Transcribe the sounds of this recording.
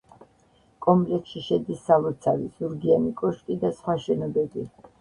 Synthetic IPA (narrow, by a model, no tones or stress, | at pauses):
kʼɔmlɛkʃiʃɛd̪isːalɔt̪sʰaviz̥uɾɡianikʼɔʃkʼid̪asχwaʃɛnɔbɛbi